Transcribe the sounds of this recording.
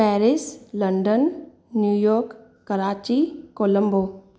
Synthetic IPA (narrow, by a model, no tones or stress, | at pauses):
pɛːɾɪslɐɳɖənː | juːjɔːɾkː | əɾaːt͡ʃikoːlə̃mbo